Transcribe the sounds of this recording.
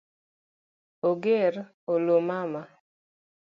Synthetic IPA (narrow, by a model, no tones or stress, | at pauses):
oɡeɾ | olomama